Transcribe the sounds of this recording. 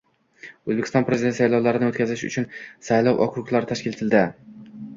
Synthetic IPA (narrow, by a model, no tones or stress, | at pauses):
ɵzbekʰʲɪst̪ɒnpɾezd̪et̪sajlɒwlaɾɪnɪot̪kʲʰazɪʃʊ̰t͡ʃʰʊnsajlˠɒwʔɒ̰kɾʊqlˠaɾɪt̪ʰaʃkʲɪlet̪ʰɪld̪ɪ